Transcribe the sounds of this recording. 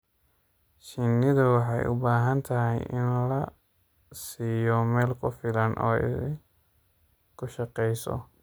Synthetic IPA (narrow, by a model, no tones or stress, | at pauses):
ʃɪnːɪðɐwɑħɑjʔʊ̰baːɦɐnt̪ʰɐɦɛjʔɪnlɐ | siːjɔmɛːlkʰʊfɪlɐnʔɔ̰ː | kʰʊʃɑqɛjsɔ̰